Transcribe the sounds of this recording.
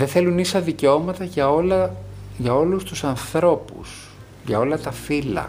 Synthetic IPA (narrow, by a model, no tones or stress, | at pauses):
ðeθe̞lunisɐðiceo̞mɐt̪ɐʝɐolɐʝɐo̞lust̪usɐnθɾo̞pṵs | ʝɐo̞lɐt̪ɐfilɐ̰